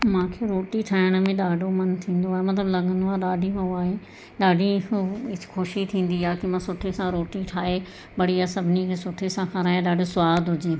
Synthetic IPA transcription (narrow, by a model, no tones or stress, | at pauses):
mãːkʰeːɾoːʈiʈʰaːɪɽ̃mẽɗaːɖomɐnt̪ʰĩːn̆d̪oaːɦemɐt̪̬ləblɐɡʱə̃nd̪oaːɗaːɖʱimãaːɦeː | ɗaːɖiɪt͡ʃkʰoʃit̪ʰĩːn̆d̪iaːkimãːsʊʈʰesãɾoːʈiʈʰaːe | bɐɽiasɐbʱnikʰeːsʊʈʰesãkʰãɾaːeɗaːɖosʊʋaːd̪ɦʊd͡ʒiː